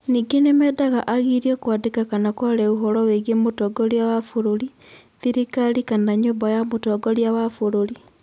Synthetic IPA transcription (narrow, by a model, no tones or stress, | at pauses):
niːɡenemɛdaɣaʔaɣiɾjɔkwadekakanakwaɾɛuɦɔɾɔweɣemotɔːɡɔɾjawafoɾoɾi | ðiɾikaɾikanaɲombajamotɔɡɔɾjawafoɾoɾi